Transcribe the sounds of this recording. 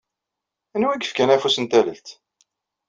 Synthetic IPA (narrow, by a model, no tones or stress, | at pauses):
ænwæɡəfkænæfusənt̪æləlt̪